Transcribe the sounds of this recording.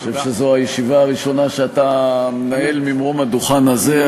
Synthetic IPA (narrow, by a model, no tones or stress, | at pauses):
ʃe̞vʃezoajeʃivaːʁiʃo̞naʃeatamenae̞lmimʁo̞mad̪uχanaze